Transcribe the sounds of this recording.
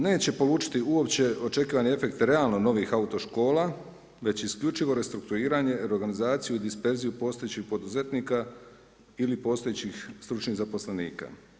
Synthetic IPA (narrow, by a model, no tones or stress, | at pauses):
ne̞ːt͡ɕe̞po̞luːt͡ʃi̥t̪iuo̞pt͡ɕe̞o̞t͡ʃe̞kiːʋanie̞fe̞kt̪ɾe̞alno̞no̞ʋixaut̪o̞ʃko̞ːla | ʋe̞t͡ɕiskʎut͡ʃiʋo̞ɾe̞st̪ɾuk̚t̪uɾiːɾaɲe̞ɾo̞ɾɡanizaːt̪sijuid̪ispe̞ɾzijupo̞ːst̪ojet͡ɕixpo̞d̪uze̞t̪niːka | ilipo̞ːst̪ojet͡ɕixst̪ɾut͡ʃniɣzapo̞sle̞nḭːka̰